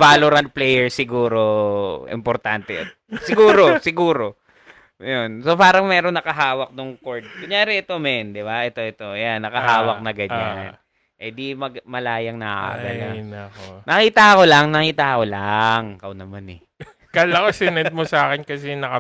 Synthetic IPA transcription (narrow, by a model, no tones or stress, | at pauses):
vaːloɾɐnt̪̚plɛjɛɹsɪɡuːɾoʔɪ̰mpoɾt̪ant̪ɛ̰ɐ̰t̪̚sɪɡuːɾo̞sɪɡuːɾo̞ | jonso̞paːɾɐŋmɛːɾoŋnɐkɐɦaːwɐk̚nʊŋkoɹd̪̚kʊɲjaːɾɛʔɛt̪omɛnd̪ɪbaʔɛt̪o̞ʔɛt̪o̞janːɐkɐɦaːwɐk̚nɐɡɐɲan | ʔɛd̪imɐɡmɐlaːjɐŋnɐa̰ɡɐla | nɐkiːt̪ɐko̞lɐŋnɐkiːt̪ɐkolaŋkɐwnɐmanɛ | kalɐkosɪnɛt̪̚mosaːkɪnkɐsɛnɐkɐ